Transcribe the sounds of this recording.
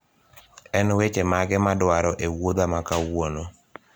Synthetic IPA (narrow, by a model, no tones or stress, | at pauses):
ɛnwet͡ʃemaɡɛmadwaɾɔʔewod̪amakawwono